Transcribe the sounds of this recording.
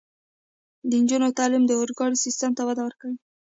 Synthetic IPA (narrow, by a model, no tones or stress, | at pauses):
d̪ənd͡ʒunot̪ɑlɪmd̪əoɾɡɑɽisist̪amt̪awad̪awəɾkawi